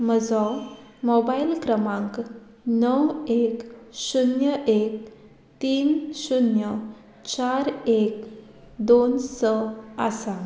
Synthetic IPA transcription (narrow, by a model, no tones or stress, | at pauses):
məd͡zɔ | mɔbailkɾəmãŋk | nəweksunjəʔek̚ | t̪iːnsunjə | t͡ɕaɾek | d̪onsəasa